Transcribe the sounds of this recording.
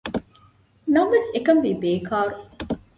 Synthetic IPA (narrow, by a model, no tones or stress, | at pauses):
nɐʋʋesekɐmʋiːbeːkʰaːɾu